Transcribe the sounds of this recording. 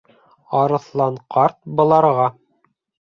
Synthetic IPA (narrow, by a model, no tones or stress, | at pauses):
ɑɾɤ̆θlˠɑɴqʰɑɾt̪̚bɤ̆lˠɑɾʁɑ